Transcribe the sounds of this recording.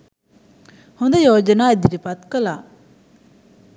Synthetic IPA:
hund̪ajoːd͡ʒənaid̪iɾipat̪̚kəla

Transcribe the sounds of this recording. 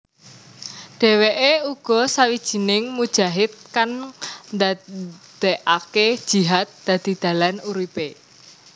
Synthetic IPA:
ɖ̥ɛ̤weʔeuɡ̥ɔ̤sawid̥ʒ̥i̤nɪŋmud̥ʒ̥a̤ɦɪt̪̚kand̪ad̪̥eʔaked̥ʒ̥i̤ɦat̪̚d̪̥ä̤d̪̥i̤d̪̥a̤lanuɾipe

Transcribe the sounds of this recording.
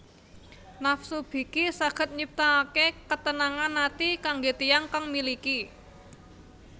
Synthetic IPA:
nafsub̥i̤kisaɡ̥ə̤t̪̚ɲip̚t̪akekət̪ənaŋanːat̪ikaŋɡet̪ijaŋkaŋmiliki

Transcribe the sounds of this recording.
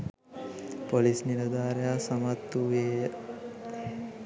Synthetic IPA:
polisniɾɐd̪aːɾjasɐmɐt̪ːuʋej

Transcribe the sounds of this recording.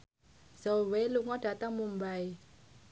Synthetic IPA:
z̥oweluŋɔɖ̥a̤t̪aŋmumbaj

